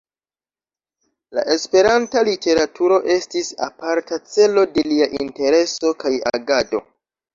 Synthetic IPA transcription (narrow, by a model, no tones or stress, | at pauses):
la̰ʔe̞spe̞ɾantalite̞ɾatʰuɾo̞ʔe̞stisa̰paɾtat͡se̞lo̞de̞liaʔinte̞ɾe̞so̞kaja̰ɡado̞̰